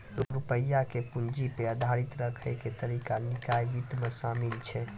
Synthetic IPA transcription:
ɾuɾupəjːakepund͡ʒipeəd̪ʱaɾit̪ɾəkʰəket̪əɾikanikajbit̪mesamilt͡ʃʰɛ

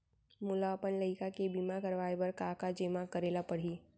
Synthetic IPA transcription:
mʊlapənləɪikakebimakəɾʋaːebəɾkakad͡ʒeːmakəɾeːlapəɽ̤iː

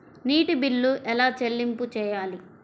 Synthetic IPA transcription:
niːʈibilːuʔɛlaːt͡ʃelːimput͡ʃɛːjaːli

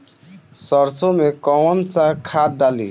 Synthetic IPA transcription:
səɾsõmekɔnsakʰat̪̚ɖaːlḭː

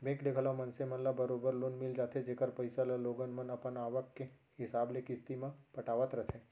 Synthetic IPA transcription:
bẽːkɖeːkʰəlamɐnsemɐnlabɐɾoːbəɾlonmɪld͡ʒaːt̪ʰed͡ʒeːkəɾpɐɪsalaloːɡənmɐnɐpənaːʋəkːe | ɦɪsaːblekɪst̪imãpɐʈaːʋət̪ɾɐt̪ʰẽː

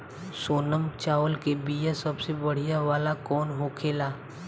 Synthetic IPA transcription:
soːnəmt͡ʃaːʋəlkebiːjasɐbsebɐɽ̤ijaʋaːlakɔːnɦoːkʰeːlaː

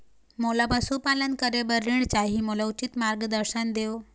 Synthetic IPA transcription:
molabəsupalənkəɾebəɾiɳt͡ɕaɦimolaut͡ɕit̪maɾɡd̪əɾɕənd̪eo

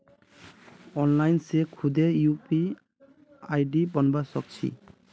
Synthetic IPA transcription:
ɔnlajnsekʰud̪ejupi | ajɖibɔnbasɔk̚t͡ʃʰḭ

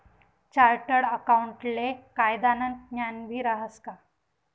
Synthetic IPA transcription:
t͡ɕaɾʈəɽəkauɳʈlekajd̪anənt̪̚njanʋiːɾaɦəska

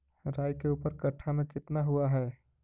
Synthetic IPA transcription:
ɾaːjkeuːpəɾkəʈʰːamẽkɪt̪naɦʊaɦɛː

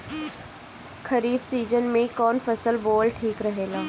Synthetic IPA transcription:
kʰɐɾiːbsiːd͡ʒənmẽkɔːnfɐsəlboːlʈʰiːkɾɐɦeːɡaː

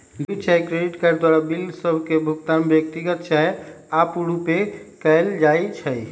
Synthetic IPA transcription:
lit͡ʃʰɛjkɾeɖiʈkəɾd̪waɾabilsəbʱkebʱukt̪anbjək̚t̪iɡət̪t͡ʃa | apuɾupekəɪld͡ʒajt͡ʃʰəj

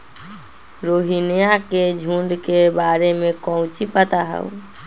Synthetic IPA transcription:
ɾoɦinijaked͡ʒʱũɳɖkebaɾemẽkɔʊ̃t͡ʃipət̪aɦɛ̰w

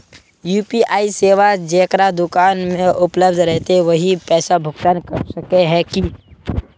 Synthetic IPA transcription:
juːpiʔaːiseːʋad͡ʒeːkɾad̪ʊkaːnmẽʔʊpləbd̪ʱɾɛɦt̪eʋəɦipɛːsabʱʊkt̪ənkəɾsəkeɦɛ̃ki

